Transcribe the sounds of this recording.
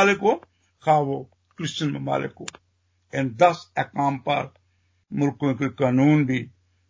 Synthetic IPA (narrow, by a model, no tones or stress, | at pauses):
lɪko | kʰaːʋo | kɾɪst͡ʃɐnmɐma̰ːlɪ̰ko | end̪ɐsɛkãːmpɐ̰ɾ | mʊlkõkikaːnuːnbʱi